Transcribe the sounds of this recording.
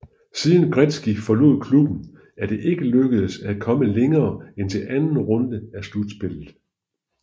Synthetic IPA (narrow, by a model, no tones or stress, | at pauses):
siːðˠn̩ɡ̥ʁɛd̥sɡ̥ifɒ̽lo̝̰ð̰ˠkʰlub̥n̩ | ʔæɐd̥e̝ʔe̝ɡ̥əløɡ̥əð̩ˠsækʰɒ̽məleŋɐːent͡sʰe̝lʔænn̩ʁɔ̽nd̥əæslud̥sb̥e̝l̰ð̩ˠ